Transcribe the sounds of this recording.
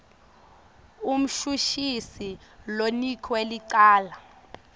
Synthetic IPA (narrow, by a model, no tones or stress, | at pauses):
um̩ʃuʃisilonikʰweliǀaːla